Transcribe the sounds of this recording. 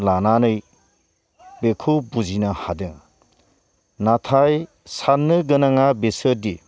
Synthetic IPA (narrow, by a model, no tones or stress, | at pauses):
lananɯj | bekʰubuzinahadɯŋ | natʰaj | sanːɯɡɯnaŋabesɯɾdi